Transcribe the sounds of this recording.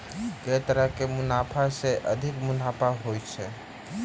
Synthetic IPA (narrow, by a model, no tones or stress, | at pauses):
ɡet̪əɾəɦkemunapʰaseʔəd̪ʱikmunapʰaɦojt͡ʃʰɛ